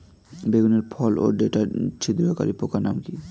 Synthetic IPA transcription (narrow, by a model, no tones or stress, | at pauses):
beɡuneɾpʰɔlo̰ɖeʈat͡ɕʰid̪ɾoka̰ɾipokanamki